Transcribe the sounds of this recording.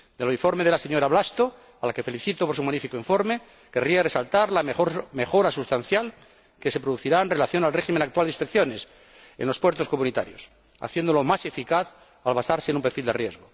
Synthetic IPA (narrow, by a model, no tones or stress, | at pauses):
d̪eloifoɾmeð̞e̞laseɲo̞ɾaβlast̪o | alake̞fe̞liθit̪op̬oɾs̬umanifikoiɱfo̞ɾme | ke̞riaresalt̪aɾlamexo̞ɾasust̪an̟θjal | ke̞se̞pɾoðuθiɾaenre̞laθjo̞nalreximenak̚t̪wald̪ĩspe̞kθjo̞ne̞s | enlo̞spweɾt̪o̞sko̞mũnit̪a̰ɾjos | a̰θje̞nd̪olo̞mase̞fikaθ | alβasaɾsenũmpeɾfild̪e̞rje̞zɣo